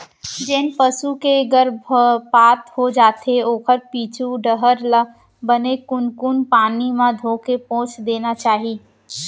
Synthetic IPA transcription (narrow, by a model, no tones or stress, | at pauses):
d͡ʒɪːnpəsukeɡəɾbʱpaːt̪hod͡ʒaːt̪eoːkəɾpiːt͡ʃʰuɖəɦəɾlə | bənekʊnkʊnpaːnimãd̪ʱoːkepɔ̃ːt͡ʃd̪eːnat͡ʃaːɦiː